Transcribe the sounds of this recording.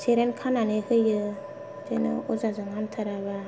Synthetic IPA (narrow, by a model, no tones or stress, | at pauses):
sʰeɾɛnkʰananehɯjɯ | d͡ʒenɯ̰ozazaŋamtʰaɾaβa